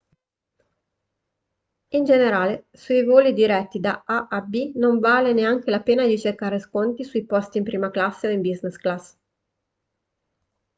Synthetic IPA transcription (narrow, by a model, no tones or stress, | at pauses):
ind͡ʒeneɾaːle | sujvoːlid̪iɾɛt̪ːid̪aaʔabinoɱvaːleneaŋk̟elapeːnad̪it͡ʃerkaːɾeskont̪isujpɔst̪iːmpɾiːmaklasːeoimbiznesklas